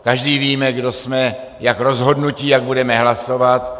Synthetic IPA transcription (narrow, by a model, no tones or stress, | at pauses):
kaʒdiːviːmɛɡdo̞smɛ | jakɾo̞zɦo̞dnuciːjaɡ̚budɛmɛɦlaso̞vat̪